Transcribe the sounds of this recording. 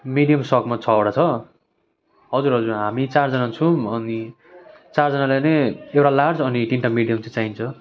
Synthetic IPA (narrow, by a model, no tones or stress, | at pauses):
miɽijʌmsʌkmat͡sʰʌoɽat͡sʰʌ | ɦʌd͡zurɦʌd͡zurɦamit͡sard͡zʌnat͡sʰuʌni | t͡sard͡zʌnalajnʌjewʈalard͡zʌniʈiɳʈamiɽijʌmt͡sãt͡saint͡sʰʌ